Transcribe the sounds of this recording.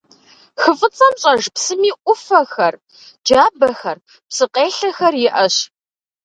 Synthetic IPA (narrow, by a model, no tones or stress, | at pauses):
xɨfʼɨt͡sʼɐmɕʼɐʒpsɨmiːʔʷʊfɐxɐr | d͡ʒaːbɐxɐr | psɨqʼeːɬɐxɐrjɪʔɐɕ